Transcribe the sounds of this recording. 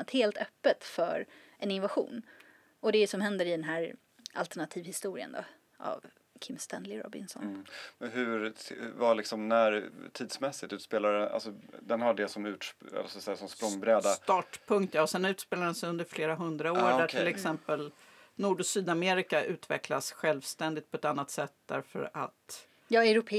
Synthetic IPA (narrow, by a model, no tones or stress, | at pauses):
at̪heːlt̪œpːət̪fœ̰ɾ | ʔɛnɪnvaɧṵːn | ɔd̪ɛsɔmhɛnd̪əɾɪd̪ɛnɦæːɾ | ʔa̰lt̪ɛɳat̪ʰiːvhɪst̪uːɾɪ̰ə̰nd̪o̰ | a̰v | kʰɪmst̪ɛnlɪɾɔ̰bɪ̰nsɔ̰nmɛnɦɵɾvalɪksɔmnæɾt̪ʰiːd̪smɛsːɪt̪ʉ̟ːt̪speːlaɾəna̰lsɔd̪ɛnhaɖɛsɔmʉːʈʂɛ̰lsɔsɛsɔmspɾɔŋːbɾɛːd̪at̪ɑːʈpʰɵŋk̚t̪jaːɔsɛnʉ̟ːt̪speːladɛnsɛjɵnd̪əɾfleːɾaɦɵnd̪ɾaoːɾɖæʈʰɪlɛksɛmpəl | nuːɖʊsyːd̪ameːɾɪkaʔʉ̟ːt̪vɛ̰klasɧɛlvst̪ɛnd̪ɪt̪pʰɔɛt̪anːat̪sɛt̪̚ːd̪æ̰ɾfœ̰ɾa̰t̪ | jɑːɛɾʊpʰː